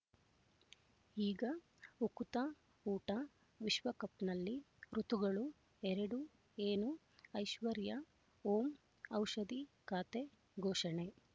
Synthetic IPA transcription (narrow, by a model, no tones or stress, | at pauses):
iːɡɐ | ukut̪ɐ | uːʈɐ | ʋiʃʋɐkɐpnɐlːi | ɾut̪uɡɐɭu | ɛɾɐɽu | eːnu | ɐjʃʋɐɾjɐ | oːm | ɐwʃɐd̪ikaːt̪e | ɡʱoːʃɐɳe